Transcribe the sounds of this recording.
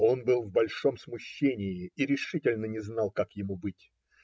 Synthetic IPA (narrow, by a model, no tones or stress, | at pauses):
o̞nbɨlˠvbɐlʲʂo̞msmʊɕːenʲɪɪiɾʲɪʂɨtʲɪlʲnənʲɪznɑlˠkakjɪmubɨtʲ